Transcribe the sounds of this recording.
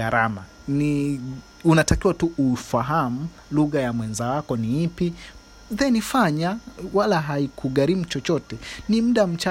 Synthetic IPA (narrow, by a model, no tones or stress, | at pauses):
aɾama | ni | unatakiwatuʔufaɦamu | luɣajamwɛnzawakɔniipi | ðɛnifaɲawalaɦaikʰuɣaɾimut͡ʃɔt͡ʃɔtɛnim̩ɗam̩t͡ʃa